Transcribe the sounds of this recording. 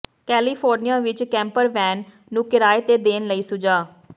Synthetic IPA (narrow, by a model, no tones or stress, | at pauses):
kɛːliːpʰoːɾnijãːʋɪt͡ʃkɛ̃ːmpəɾʋɛːnː | ũːkɪɾaːet̪eːd̪eːnləiːsʊd͡ʒaː